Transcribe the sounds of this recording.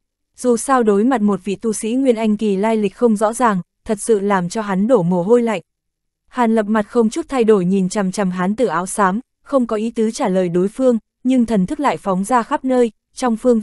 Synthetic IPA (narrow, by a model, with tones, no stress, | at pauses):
z̥u˨˩saː˧wɗo˨˦jma˨˩t̚mo˨˩t̚vḭ˧˨t̪u˧sḭ˧˥ŋwi˧˩ənʔa˧jŋ̟ki˨˩laː˧jlï˨˩k̟̚xə˧wŋ͡mzɔ̰˧˥zaː˨˩ŋt̪ʰə˨˩t̚sɨ̰˧˨laː˨˩mt͡ɕɔ˧ɦa˨˦nɗo˧˩mo˨˩ɦo˧jla̰˧˨jŋ̟ | haː˨˩nlə˨˩p̚ma˨˩t̚xə˧wŋ͡mt͡ɕu˦˥t̪ʰa˧jɗo˧˩jɲi˨˩nt͡ɕa˨˩mt͡ɕa˨˩mɦaː˨˦nt̪ɨ˧˩ʔaː˨˦wsaː˨˦m | xə˧wŋ͡mkɔ˨˦ʔi˨˦t̪ɨː˨˦t͡ɕaː˧˩ləː˨˩jɗo˨˦jfɨ˧əŋ | ɲɨ˧ŋt̪ʰə˨˩nt̪ɨ˦˥k̚la̰ː˧˨jfɔ˨˦wŋ͡mzaː˧xa˦˥p̚nəː˧j | t͡ɕɔ˧wŋ͡mfɨ˧əŋ